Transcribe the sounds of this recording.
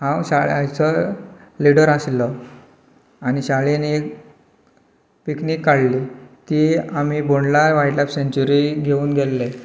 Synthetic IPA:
hãwɕaɭajt͡səliɽəɾaslə | aniɕaɭinek | piknikːaɽlit̪iamiːboɳɖlaɾʋajʈlapseɲt͡ɕuɾiɡʱeuːnɡʱelːe

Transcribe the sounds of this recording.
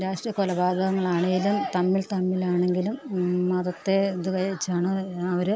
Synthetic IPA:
ɾaːʂʈrijɐkolɐbaːd̪ʱɐɣɐŋːɐɭaːɳeŋɡilumt̪ɐmːilt̪ɐmːilaːɳe̞ŋɡilummɐðɐt̪ːe̞d̪ukɐjit͡ɕːaːɳɨɐʋɐɾɨ

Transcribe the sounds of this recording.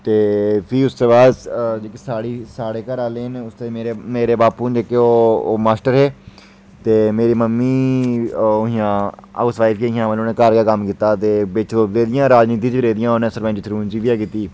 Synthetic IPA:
t̪eːpʰiːʊst̪eːbaːd̪d͡ʒeːkesaːɽiːsaːɽeːkəɾaːleːɦnʊst̪emeːɾeːmeːɾeːbaːpuːd͡ʒeːkeːoːmaːsʈəɾɦeː | t̪eːmeːɾiːməmːiː | ʊɦĩjãːa̰osʋaːɪfkeːɦɪjãːʋəloːnẽːkaɾɡaːkəmkiːt̪aːt̪eːbet͡ʃoːpd̪eːd̪ɪjãːɾaːd͡ʒniːt̪̬iːt͡ʃːɾeːd̪ɪjãːonẽːsəɾbə̃ːt͡ʃɪt̪ʰɾuːnd͡ʒiːʋɪjaːkiːt̪iː

